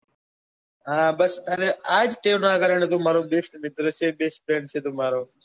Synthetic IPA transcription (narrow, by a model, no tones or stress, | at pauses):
ɦãːbəst̪aːneːaːd͡ʒʈeːnãːkəɾəɳet̪oːmaːɾõːbeːsʈmɪt̪ɾoːseːbeːsʈ̚peːɳseːd̪oːmaːɾoː